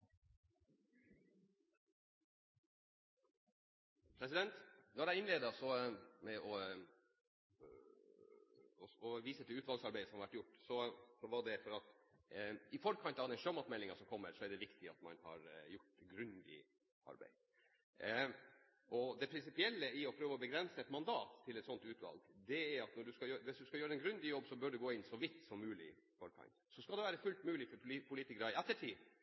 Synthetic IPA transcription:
pʰɾɛsɪd̪ɛnt̪nɔɾæɪɪnleːd̪ɑsɔmɛɔ | ɔʋiːsət̪ʰɪlʉːt̪ʋɑlsɑɾbæɪdəsɔmhɑɾʋæʈːjʊʈːsɔsɔʋɑɖɛfɔɾɑt̪ | ɪfɔɾkʰɑnt̪ɑʋd̪ɛnʃømɑt̪mɛlːɪŋɑsɔmkʰɔmːəɾsɔæɖɛʋɪkt̪ʰɪɑ̰t̪mɑnhɑ̰ɾjʊʈːɡɾʉnd̪ɪ̰ | ɑ̰ɾbæ̰ɪ | ʔɔd̪ɛpʰɾɪnsɪpɪɛlːəɪɔpʰɾøːʋəɔbəɡɾɛnsəɛt̪mɑnd̪ɑːt̪ʰːɪlɛt̪sɔnt̪ʉːt̪ʋɑ̰lɡd̪ɛæɾɑt̪nɔɖʉskɑjøːɾʋɪsd̪ʉskɑjøːɾəɛnɡɾʉnd̪ɪjɔbːsɔbœːɖʉɡoːɪnːsɔʋɪt̪ːsɔmːʉːlɪ̰fɔɾkʰɑ̰nt̪sɔskɑld̪ɛʋæːɾəfʉlt̪mʉːlɪfɔɾpʰʊliːt̪ɪkɾɑɪɛt̪ːəʈʰiː

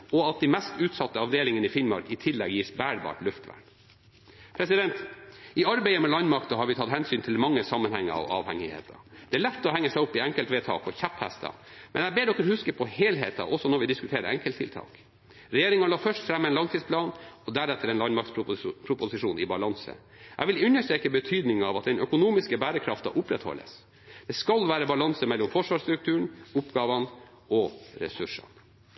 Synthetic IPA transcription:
ɔɑt̪̚d̪imɛst̪ʉːt̪sɑt̪ːəɑʋd̪eːlɪŋənɪfɪnmɑ̰ɾkɪt̪ʰɪlːɛɡjiːsbæːɾbɑ̰ːʈlʉft̪ʋæ̰ɳ | pʰɾɛsɪd̪ɛnt̪ɪɑɾbɛɪəmɛlɑnmɑkt̪ɑhɑɾʋɪt̪ʰɑt̪hɛnsyːnt̪ʰɪlmɑŋːəsɑmːənhæŋːə̰ɑ̰ʋɑ̰ːʋhɛŋɪhḛːt̪ʰɑ̰d̪̥ɛæːɭɛt̪ːɔhɛŋːəsɛɪɔpːɪɛŋkəlt̪ʋɛːt̪ʰɑ̰ːkɔçæpːhæst̪ʰɑ̰ | mʔɛ̰næbeːɖ̪ɔkːəɾhʉskəpʰɔheːlɦeːt̪ɑ̰ʔɔsːɔnɔɾʋɪd̪ɪskʉt̪ʰeːɾə̰ɛŋkəlt̪ʰɪ̰lt̪ʰɑ̰ːk | ɾɛjeːɾɪŋɑlɑːfœʂʈfɾɛmːɛnlɑŋt̪iːsplɑːnɔd̪æɾɛt̪ːəɾɛnlɑnmɑɾkt̪spʰɾʊpʊsɪʂuːnɪbɑlɑŋsə̰ | ʔæ̰ɪʋɪlʉnːəʂʈɾeːkəbət̪ʰyːd̪nɪŋɑʋɑt̪̚d̪ɛnœkʊnuːmɪskəbæːɾəkʰɾɑft̪ɑ̰ʔʊpɾɛt̪hɔ̰lːə̰s | d̪̥ɛskɑlʋæːɾəbɑlɑnsəmɛlːɔmfɔʂʋɑːʂt̪ɾʉk̚t̪ʰʉːəɳʊpɡɑːʋɑn | ɔɾɛ̰sʉʂɑ̰n

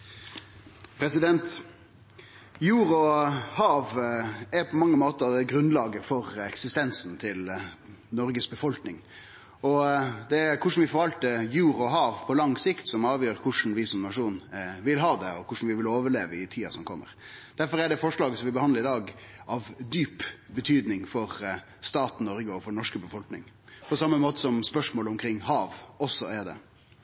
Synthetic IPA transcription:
pʰɾɛsɪd̪ɛnt̪ | juːɾɔhɑːʋæpʰɔmɑŋːəmoːt̪əd̪ɛɡɾʉnlɑːɡəfɔɾɛksɪst̪ɛnsnt̪ʰɪl | nɔɾɡəsbəfɔlknɪŋ | ɔd̪ɛkʰʊʂn̩ʋɪfɔɾʋɑlt̪əjuːɾɔɦɑːʋpʰɔlɑŋsɪkt̪sɔmɑːʋjøːɾkʰʊʂn̩ʋɪsɔmnɑʂuːnʋɪlɦɑːd̪ɛɔkʰʊʂn̩ʋɪʋɪloːʋəɭeːʋəɪt̪ʰiːɑsɔmkʰɔmːə̰ɾ | d̪̥æɾfɔɾæɖɛfɔʂɭɑːɡəsɔmʋɪbəhɑnəɾɪd̪ɑːɡɑʋd̪yːpbət̪ʰyːd̪nɪŋfɔɾ | st̪ɑːt̪nɔɾɡəɔfɔnɔʂkəbəfɔlknɪŋ | pʰɔsɑmːəmoːt̪ə̥sɔmspœʂmoːlʊmkʰɾɪŋːhɑːʋɔsɔæɖ̪ɛ̰

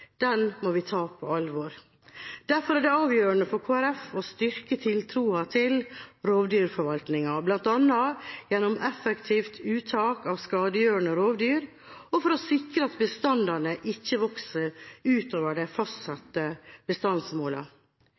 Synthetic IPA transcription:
d̪̥ɛnmɔʋɪt̪ʰɑːpʰɔɑlʋoːɾ | d̪̥æɾfɔɾæɖɛɑːʋjøːɾəɳəfɔɾkʰoːæɾɛfɔst̪ʏɾkət̪ʰɪlt̪ʰɾuːɑt̪ʰɪlɾoːʋd̪yːɾfɔɾʋɑlt̪nɪŋɑblɑnt̪ɑnːɑjɛnɔmʔɛfəkt̪ʰiːft̪ʰʉːt̪ʰɑːkɑʋskɑːd̪əjøːɾəɳəɾoːʋd̪yːɾ | ɔfɔɾɔsɪkɾəɑt̪bəst̪ɑnd̪ɑɾnəʔɪçːəʋɔksəʉːt̪oːʋəɖɛfɑst̪sɑt̪əb̥əst̪ɑnsmoːlɑ̰

